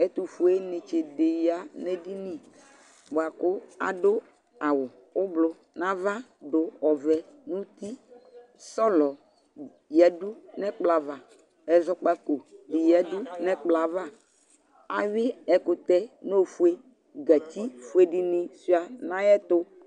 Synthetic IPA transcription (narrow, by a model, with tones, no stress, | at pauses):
ɛ˦t̪u˨fu˦e˦nɪ̃˨t͡ʃe˨de˨ja˨nɛ˦di˦nĩ˨ | bo˨a˨kʊ˦a̰˨dʊ˦ | a˨wʊ˨ | ʊ˦blʊ˦ | nã˦va˦dʊ˨ɔ˨vɛ˨nũ˦t̪i˦ | sɔ˦lɔ˨ | jɛ˨du˦nɛ˦k͡pla˨va˨ | ɛ˨zɔ˦k͡pa˦ko˨bi˨jɛ˨du˦nɛ̃˦k͡pla˨va˦ | a̰˨ɥɪ˦ɛ˨kʊ˨t̪ɛ˦no˦fu˦e˦ | ɡa˨t̪i˦fu˦e˦di˦nĩ˦si˦a˨nã˦jɛ˦t̪ʊ˦